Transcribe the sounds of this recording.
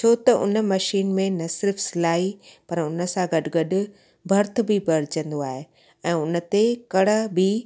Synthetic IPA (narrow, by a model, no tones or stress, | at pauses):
t͡ɕʰoːt̪ɐʔʊ̰nə̆mɐʃiːnmẽnɐsɪɾfsɪlaːipɐɾʊnə̆sãɡɐɗɪɡɐɗʊ̆ | bʱɐɾt̪̆ʰbɪbɐɾɪt͡ɕə̃nd̪oaːɦe | ɛ̃ːʊnə̆t̪ekɐɽ̤ə̆bɪ